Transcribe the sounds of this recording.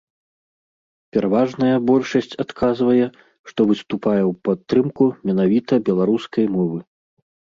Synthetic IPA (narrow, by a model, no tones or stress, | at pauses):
pʲɛɾavaʐnɐjɐbɔlʲʂɐsʲt͡sʲat̪kʰazvɐjɛ | ʂt̪ɔvɨst̪upajɛwpat̪ːɾɨmkumʲɛnavʲit̪ɐbʲɛlˠaɾuskɐjmɔvɨ